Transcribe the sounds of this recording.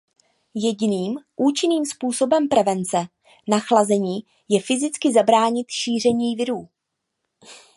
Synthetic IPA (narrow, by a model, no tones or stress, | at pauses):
jɛɟɪniːmʔuːt͡ʃɪniːmspuːso̞bɛmpɾɛvɛnt͡sɛ | naxlazɛɲiː | jɛfɪzɪt͡skɪzabɾaːɲɪt̪ʃiːr̝ɛɲiːvɪɾuː